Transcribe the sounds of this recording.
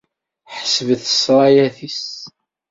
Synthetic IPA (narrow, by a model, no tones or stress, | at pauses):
ħə̥səvəθə̥sɾˤɑjæθis